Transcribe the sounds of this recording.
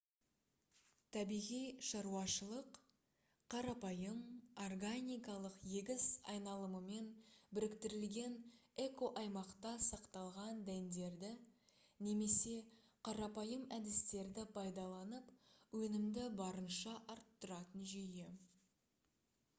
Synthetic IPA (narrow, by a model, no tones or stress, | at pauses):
t̪ʰæbijʁijʃɑɾuɑʃəlˠəq | qʰːɑɾɑpɑjəmo̞rɡanijkɑlˠəqje̞ɡʲɪzɑ̰jnɑlˠəməme̞nbɪɾɪkt̪ɪɾɪlɡʲe̞ne̞ko̞ʔɑjmɑqt̪ɑsɑqt̪ɑlˠʁɑnd̪ænd̪e̞ɾd̪ɪ | ne̞me̞se̞ | qʰɑɾɑpɑjəmæd̪ɪst̪e̞ɾd̪ɪpʰɑjd̪ɑlˠɑnəpwɵnɪmd̪ɪbɑɾənʃɑʔɑɾt̪ːʊɾɑt̪ənʒeje